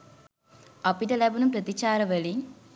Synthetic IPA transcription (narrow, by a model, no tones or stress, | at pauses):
ɐpiʈɐlɐbɐnumpɾɐt̪it͡ɕaːɾɐʋɐɭi